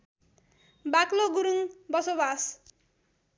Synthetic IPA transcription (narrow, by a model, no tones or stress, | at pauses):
bakloɡuɾuŋbʌsobas